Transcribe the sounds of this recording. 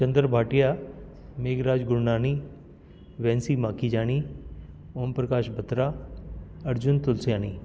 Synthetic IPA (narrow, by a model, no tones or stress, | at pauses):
t͡ʃɐ̃nd̪əɾbʱaːʈijameːɡɾaːd͡ʒɡʊɾnaːni | ʋɛ̃ːnsimaːkʰid͡ʒaːɽ̃i | oːmpɾəkaːʃbʱɐt̪ɾa | ɐɾd͡ʑʊnt̪ʊlsjaːñiː